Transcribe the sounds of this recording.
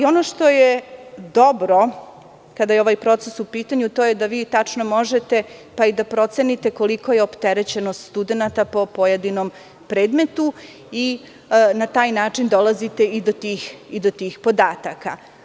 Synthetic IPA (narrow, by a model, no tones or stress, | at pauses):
o̞noʂt̪o̞jed̪o̞bɾo | kad̪ajeoʋajpɾo̞t̪sesupiːt̪aɲut̪ojed̪aʋiːt̪at͡ʂnomo̞ʒet̪e̞paid̪apɾo̞t̪se̞nit̪e̞ko̞liko̞jeopt̪eɾet͡ɕenost̪st̪ud̪enat̪apo̞pojed̪inom | pɾeːd̪me̞t̪u | i | nat̪aːjnaːt͡ʂind̪o̞lˠazit̪e̞id̪ot̪iːxid̪ot̪iːxpo̞d̪aːt̪aka̰